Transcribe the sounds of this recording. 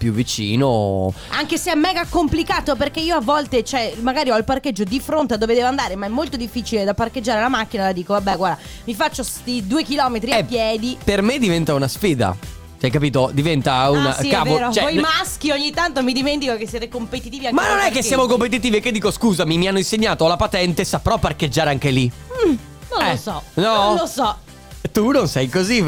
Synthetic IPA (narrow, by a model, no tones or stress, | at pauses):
pjuvːit͡ʃḭːno | aŋkeseɛmːɛːɡakomplikaːt̪operkeiːoavːɔlt̪et͡ʃɛmaɡaːɾiɔilparked͡ʒːod̪ifɾont̪ead̪oːved̪ɛvoand̪aːɾemaɛmːolt̪od̪ifːiːt͡ʃiled̪aparked͡ʒːaːɾelamak̟ːinalad̪iːkovabːɛɡwaɾd̪a | mifat͡ʃːost̪id̪uːekilɔːmet̪ɾiaɛpjɛːd̪ipermed̪ivɛnt̪aunasfiːd̪a̰ | t͡ʃajk̬apiːt̪od̪ivɛnt̪auna̰kavoɾokt͡ʃɛoimask̟ioɲːit̪ːant̪omid̪iment̪ikokesːjɛːt̪ekompet̪it̪iːviaŋmanːonɛkːesjaːmokompet̪̬it̪̬iːviekːed̪iːkoskuːzamimianːoinseɲːaːt̪oalapat̪ɛnt̪esapɾɔpːarked͡ʒːaːɾeaŋk̟eli | nõɛlosɔnɔlosɔ | t̪unonsɛjkozi